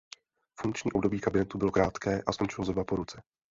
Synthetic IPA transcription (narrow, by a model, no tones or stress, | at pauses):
fuŋkt͡ʃɲiːo̞b̚do̞biːkabɪnɛt̪ubɪlo̞kɾaːt̪kɛːʔasko̞nt͡ʃɪlozɾobapo̞ɾut͡sɛ